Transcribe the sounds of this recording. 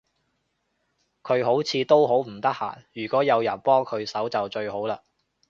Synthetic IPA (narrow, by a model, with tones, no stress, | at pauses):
kʰɵ˨˧ɥɦo˨˥wt͡sʰiː˧t̪o˥wɦo˨˥wm̩˨˩t̪ɐ˥k̚ha̰ː˨˩njyː˨˩kʷɔː˨˥jɐ˨˧wjɐ˨˩npɔː˥ŋkʰɵ˨˧ɥsɐ˨˥wt͡sɐ˨wt͡ʃɵ˧ɥho˨˥wlaː˧